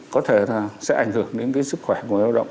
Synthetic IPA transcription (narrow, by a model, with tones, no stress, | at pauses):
kɔ˨˦t̪ʰe˧˩a˨˩sɛ̰˧˥ʔa˧˩jŋ̟hɨ˧˩əŋɗḛ˧˦nkaː˨˦jsɨ˦˥k̚xwɛ˧˩ku˧˨˩aː˧˩ɗə̰˧˨ʔ